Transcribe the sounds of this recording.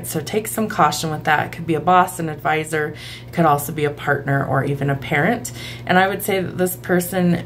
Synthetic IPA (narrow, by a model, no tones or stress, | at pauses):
tsoʊtʰeɪksʌ̃mkʰɔʃɨ̃nwəðə̰t̚kʰɨd̚biɨbɔsɨ̃nɨdvaɪzə˞ | kʰɨɾɔlˠsoʊbiɨpʰɑɹtⁿnə˞ʔə̰˞ʔivɨ̃nɨpʰɛɹɨ̃nt | ʔɨ̃ñaɪwɨd̥seɪðɨ̰t̪̚ðɪspʰɜ˞sɨ̃n